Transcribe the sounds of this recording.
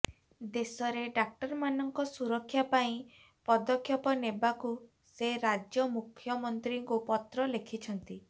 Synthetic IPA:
d̪esɔɾeɖak̚ʈɔɾmanɔŋkɔsuɾɔkʰːjapaĩ | pɔd̪ɔkʰjɔpɔnebaku | seɾad͡ʒjɔmukʰːjɔmɔnt̪ɾiŋkupɔt̪ɾɔlekʰit͡ʃʰɔnt̪i

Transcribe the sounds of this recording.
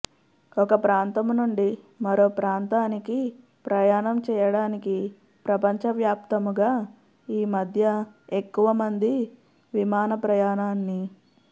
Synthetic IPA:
ɔkɐpɾaːnt̪ɐmnuɳɖi | mɐɾo̞ːpɾaːnt̪aːniki | pɾɐjaːnɐmt͡ʃɛːjɐɽaːniki | pɾɐpɐɲt͡ʃɐʋjaːpt̪ɐmuɡaː | iːmɐd̪ʱjɐekːuʋɐmɐnd̪i | ʋimaːnɐpɾɐjaːnaːnːi

